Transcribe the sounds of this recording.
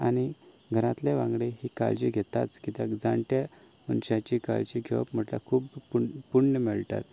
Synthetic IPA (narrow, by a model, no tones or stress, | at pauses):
añi | ɡʱəɾãt̪leʋãŋɡɽeɦiːka̰ld͡ʑiɡʱet̪at͡skit̪akd͡zaɳʈja | munɕãt͡ɕika̰lt͡ɕiɡʱeʋə̰pm̤əʈla̰kʰuːppuɳnəmeɭʈa̰t̪